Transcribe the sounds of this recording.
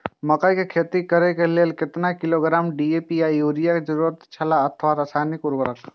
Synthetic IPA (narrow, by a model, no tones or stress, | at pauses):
məkajkekʰet̪ikəɾekeleːlkɪt̪nakɪloɡɾaːmɖiepijajuːɾijaked͡ʒəɾuːɾət̪t͡ʃʰɐlaət̪ʰʋaɾasaːnikuɾbəɾək